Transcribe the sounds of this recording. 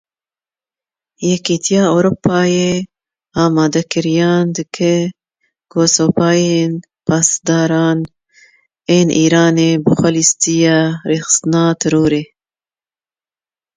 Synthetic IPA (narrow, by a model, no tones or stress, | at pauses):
jɛkiːt̪ʰijɑːoːɾopːɑːjeː | ɑːmɑːd̪ɐkɨɾijɑːnd̪ɨkʰɨ | kʰoːsoːpɑːjeːn | pʰɑːsd̪ɑːɾɑːn | eːnʔiːɾɑːneːbɨxʷɐlist̪ijaɾeːxɨ̥st̪ɨnɑːt̪ʰɨɾuːɾeː